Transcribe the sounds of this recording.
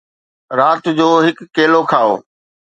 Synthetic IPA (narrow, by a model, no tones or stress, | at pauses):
ɾaːt̪d͡ʑoːɦɪkːeːlokʰaːo̰ː